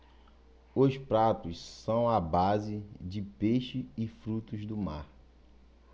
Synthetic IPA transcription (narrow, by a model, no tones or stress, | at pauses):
ʊspɾat̪ʊssɐ̃w̃abazɪd͡ʒɪpeʃɪːfɾut̪ʊzd̪ʊma̰ɾ